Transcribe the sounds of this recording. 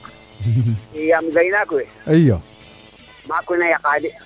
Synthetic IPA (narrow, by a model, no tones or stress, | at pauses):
ijamɡainakuweɐja | makunajaqaːdi